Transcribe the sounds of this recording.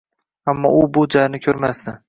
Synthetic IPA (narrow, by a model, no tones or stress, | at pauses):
amːɒ̰ʊbʊd͡ʒaɾnɪkʲʰɵɾmasd̪ɪ